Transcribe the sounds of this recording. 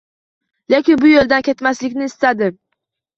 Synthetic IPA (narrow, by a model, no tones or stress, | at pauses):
le̞kʲɪnbʊjolˠd̪ankʲʰe̞t̪maslɪkʲnɪːst̪ad̪ɪ